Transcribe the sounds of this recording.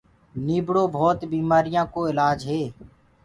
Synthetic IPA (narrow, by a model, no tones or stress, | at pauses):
niːbɽoːbʱɔːt̪biːmaːɾɪjãːkoːɪlaːd͡ʒɦeː